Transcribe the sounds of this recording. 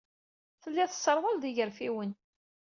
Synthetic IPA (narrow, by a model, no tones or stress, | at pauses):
θəlːæθə̥sːəɾˤwəlðiʝəɾfiwən